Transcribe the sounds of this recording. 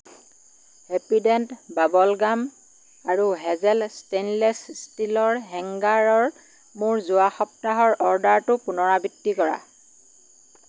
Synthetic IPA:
hepidɛntbabɔlɡam | aɹuɦɛzɛlstenlɛsstilɔɹɦɛŋɡaɹɔɹ | mʊɹzʊwaxɔp̚taɦɔɹʔɔɹdaɹtʊpʊnɔɹabitːikɔɹa̰

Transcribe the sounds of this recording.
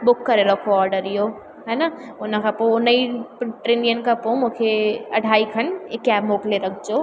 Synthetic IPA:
bʊkːəɾeɾəkʰoɔːɾɖəɾijo | ɦɛnaʊnãkʰaponəiʈɾenijənkapõmukʰeɐ̰ɖʱaːikʰənekːɛːbmokleɾəkʰt͡ʃo

